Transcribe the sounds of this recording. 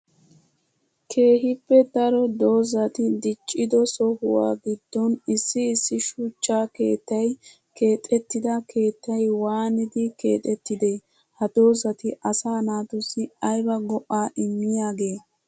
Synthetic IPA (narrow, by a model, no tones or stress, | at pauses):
kʰe̞ːɦɪpːɛd̪ɐɾɔd̪o̞ːzɐt̪ɪd̪ɪt͡ʃʼːɪd̪ɔsɔhʊwa̰ːɡɪd̪̥ːɔnɪsːɪːsːɪʃʊt͡ʃːaːke̞̰ːt̪ːɐj | ke̞ːt̪ʼɛt̪ːɪd̪ɐkʰe̞ːt̪ːɐjwaːnɪd̪ɪke̞̰ːt̪ʼɛt̪ːɪd̪e̞ː | hɐd̪̥o̞ːzɐt̪ɪʔɐsaːnaːt̪ʊsɪɐjbɐɡɔʔːaːʔɪmːɪjaːɡe̞ː